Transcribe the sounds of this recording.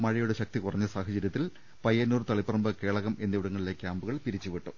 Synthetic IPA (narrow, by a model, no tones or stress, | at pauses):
mɐɻɐjuɽeɕɐk̚t̪ikurɐɲːɐsaːɦɐt͡ɕɐɾjɐt̪ːil | pɐjːɐnːuːrt̪ɐɭipːɐrɐmbɨke̞ːɭɐɣɐmʔe̞nːiʋuɽɐŋːɐɭile̞ːkʲːaːmbuɣɐɭpiɾit͡ɕːuʋiʈːu